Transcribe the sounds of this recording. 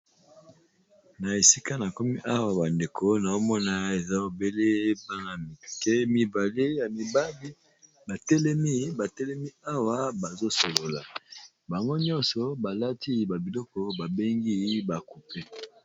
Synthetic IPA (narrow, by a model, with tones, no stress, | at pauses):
na˨e˨si˦ka˦na˨ko˦mi˦ʔa˦wa˨ba˨nde˨kʰo˦na˨o˦mɔ˦na˦e˨za˦o˨be˦le˦ba˦ŋa˨mi˨kɛ˦mi˨ba˨le˦ja˨mi˨ba˦bi˦ | ba˨tɛ˦lɛ˦mi˦ba˨tɛ˦lɛ˦mi˦a˦wa˨ba˨zo˦so˨lo˨la˨ | ba˨ŋɡo˦ɲɔ˦nsɔ˨ba˨la˦tʰi˦ba˨bi˨lɔ˦kɔ˨ba˨be˦ŋɡi˦ba˨ku˨pɛ˦